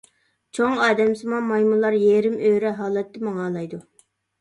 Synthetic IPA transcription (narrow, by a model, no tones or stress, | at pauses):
t͡ʃʰoŋɑːd̪ɛmsɨmɑmɑjmulˠɑɾjeɾɪmøɾɛɦɑːlˠɛt̪ːɪmɑŋɑːlˠɑjd̪u